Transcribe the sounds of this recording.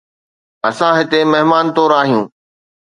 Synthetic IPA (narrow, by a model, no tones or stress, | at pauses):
ɐsãɦɪt̪emɐɦɪmaːnt̪oːɾaːɦijũː